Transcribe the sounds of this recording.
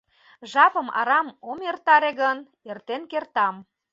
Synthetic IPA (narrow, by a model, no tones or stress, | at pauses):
ʒɑpəmɑ̰ɾɑmomert̪ɑɾeɣən | ert̪enkert̪ɑm